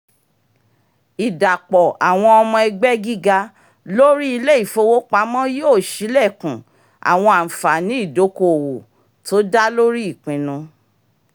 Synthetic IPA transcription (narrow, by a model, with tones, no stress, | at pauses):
i˨da˨k͡pɔ˨a˨w̃ɔ̃˧ɔ˧mɔ̃˧ɛ˧ɡ͡bɛ˦ɡi˦ɡa˧ | lo˦ɾi˦i˧le˦i˦˨fo˧wo˦k͡pa˧˦mɔ̃˦joː˦˨ʃi˨˦lɛ˦˨kũ˨ | a̰˨w̃ɔ̃˧a˨fa˨nĩ˨˦i˦˨do˨˦ko˧o˨wo˨ | to˨˦da˦lo˦ɾi˦i˦˨k͡pĩ˨nũ˧